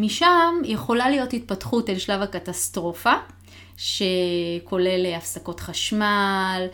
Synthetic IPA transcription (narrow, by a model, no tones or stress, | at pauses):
miʃamjeχo̞lalijo̞tit̚patχutelʃlavakatast̪ʁo̞fa | ʃe̞kʰo̞le̞leafsako̞tχaʃmal